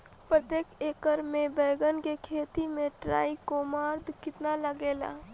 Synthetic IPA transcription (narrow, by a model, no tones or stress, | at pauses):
pɾət̪jeːkeːkəɾmẽbɛːɡənkekʰeːt̪imẽʈɾa̰ːikomaːɾd̪ʱkɪt̪naləɡeːla̰